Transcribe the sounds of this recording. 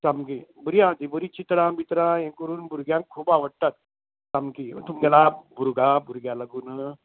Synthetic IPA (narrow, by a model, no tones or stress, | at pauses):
samkibuɾijãd͡ʒ̪ibəɾit͡ʃit̪ɾãbit̪ɾãjẽŋkəɾuːnbʱuɾɡjãŋkʰːuːbaʋəɽt̪at̪ | samkḭt̪umɡalabʱuɾɡabʱuɾɡʲjalaɡuːn